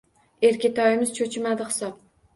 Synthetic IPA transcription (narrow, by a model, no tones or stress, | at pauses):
e̞ɾkʲɪt̪ʰɒjɪmɪz̥t͡ʃʰot͡ʃʰɪmad̪ɪhɨ̥sɒp̚